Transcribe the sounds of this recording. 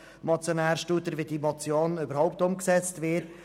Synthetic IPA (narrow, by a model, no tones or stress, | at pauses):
mɔt͡sjonæːɾʃtuːt̪əɾʋidimɔt͡sjoːnøbəɾhɔʊp̚tʊmksɛt͡stvɪt